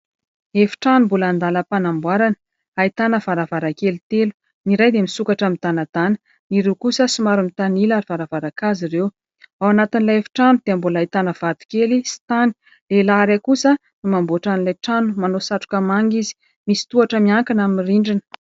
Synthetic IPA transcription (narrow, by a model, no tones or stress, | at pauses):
efi̥ʈ͡ʂanumbuland̪aləpanambwaɾanə | ait̪anəv̥aɾavaɾakelit̪elu̥ | niɾajd̪emisukaʈ͡ʂamit̪anad̪̥anə | niɾewkusəsimaɾumit̪anilaɾiv̥aɾavaɾakaziɾew | awanat̪inilaefi̥ʈ͡ʂanud̪̥eambulait̪anəv̥at̪u̥kelisi̥t̪ani̥ | lelaɾekusə | numambuaʈ͡ʂanilajʈ͡ʂanumanosaʈ͡ʂu̥kəmaŋɡizi̥ | misi̥t̪uaʈ͡ʂəmiaŋkanamiriɳɖ͡ʐinə̥